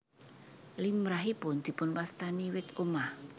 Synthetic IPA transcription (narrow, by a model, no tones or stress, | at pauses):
lɪŋmɾaɦipʊnd̪̥i̤pʊnwast̪aniwɪt̪omah